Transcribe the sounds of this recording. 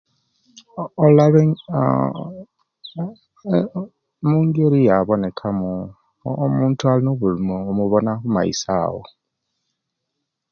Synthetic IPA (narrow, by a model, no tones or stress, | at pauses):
olaβe | muːŋɡeɾijaβonekʰamu | muːntualinoβulumoːmuβonakuma̰ḭsa̰ːwo̰